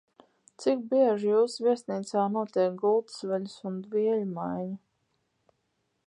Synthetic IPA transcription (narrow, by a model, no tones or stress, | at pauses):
t̪sik̚biɛʒjuːsvʲiɛsniːt̪saːnuɔt̪ʲiɛkɡulˠt̪svɛlusund̪viɛlʲumajɲa